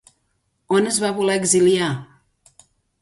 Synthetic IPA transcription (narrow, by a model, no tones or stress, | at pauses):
onəzβaβolɛːɡzilia